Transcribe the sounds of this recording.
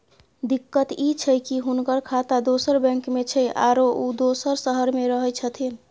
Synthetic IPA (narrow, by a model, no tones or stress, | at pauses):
d̪ikːət̪it͡ʃʰəjkiɦunkəɾkʰat̪ad̪osəɾbɛ̃ŋkmet͡ʃʰəjʔa̰ɾoʔud̪osəɾsəɦəɾmeɾəɦəjt͡ʃʰət̪ʰin